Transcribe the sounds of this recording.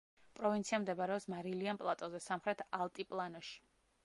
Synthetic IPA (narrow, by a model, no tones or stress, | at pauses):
pʼɾɔvint̪sʰiamd̪ɛbaɾɛɔpsmaɾilianpʼlˠat̪ʼɔzɛsamχɾɛt̪ʰalˠt̪ʼipʼlˠanɔʃi̥